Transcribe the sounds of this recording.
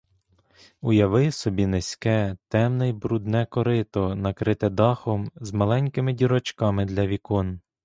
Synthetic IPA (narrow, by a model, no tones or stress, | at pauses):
ʊjɐʋɪsɔbʲinesʲkɛt̪ɛmnɪjbɾud̪nɛkɔɾɪt̪ɔnɐkɾɪt̪ɛd̪ɑxɔmzmɐlˠɛnʲkɪmɪdʲiɾɔt͡ʃkɑmɪd̪lʲɐʋʲikɔn